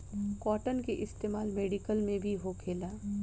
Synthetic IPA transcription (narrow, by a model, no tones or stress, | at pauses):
kɔːʈənkeʔɪst̪eːmaːlmeːɖikəlmẽbʱiɦokʰeːlaː